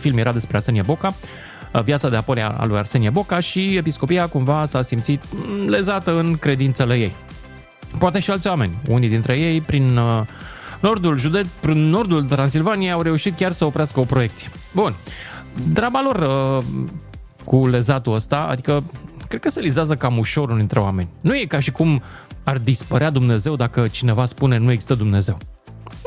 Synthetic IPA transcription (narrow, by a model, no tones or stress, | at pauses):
filmjeɾad̪e̞spɾease̞niebo̞ka | vjat̪sad̪e̞apolia̰a̰luja̰rse̞niebo̞kaʃie̞pisko̞piakumvasasimt̪sit̪le̞zat̪əɨnkɾe̞d̪int̪səleje̞̰j | poat̪e̞ʃialt̪sʲwame̞̰nʲṵnid̪int̪ɾe̞je̞jpɾin | no̞rd̪ulʒud̪e̞t̪spɾinːo̞rd̪ult̪ɾansilvanijejawɾe̞uʃit̪̚kʲarsəo̞pɾeaskəo̞pɾo̞je̞k̚t̪sije̞bun | d̪ɾabalo̞rə | kule̞zat̪uəst̪aa̰d̪ikəkɾed̪̥kəse̞lizazəkamuʃo̞ɾund̪int̪ɾe̞wa̰me̞nʲnuje̞kaʃikum | ard̪ispəɾead̪umne̞ze̞wd̪akət͡ʃine̞vaspune̞nue̞ɡzi̥st̪əd̪umne̞ze̞w